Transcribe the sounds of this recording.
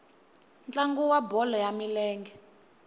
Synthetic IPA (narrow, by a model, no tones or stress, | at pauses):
nt͡ɬaŋɡuwabɔlɔjamilɛːŋɡɛ